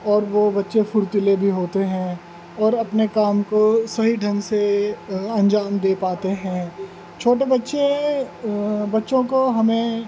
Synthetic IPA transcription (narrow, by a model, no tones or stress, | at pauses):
ɔːɾʋobɐtːʃefʰʊɾt̪ɪlebʱiɦoːt̪eɦɛ̃ː | ɔːɾɐpnekaːmkosɐɦiɖʱɐ̃ŋse | ɐ̃nd͡ʒaːmd̪eːpaːt̪eɦɛ̃ | t͡ʃʰoːʈ̬ebɐtːʃe | bɐtːʃõkoɦɐmẽ